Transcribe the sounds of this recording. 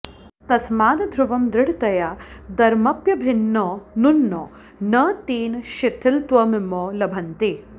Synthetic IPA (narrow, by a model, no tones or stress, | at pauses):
t̪ɐsmaːd̪ɐd̪ʱɾuʋɐmd̪ɾɪɽt̪ɐjad̪ɐɾmɐpjɐbʱinːoːnunːoː | nɐːt̪iːnʃit̪ʰːɪlt̪ʋɐmimoːlɐbʱɐnt̪i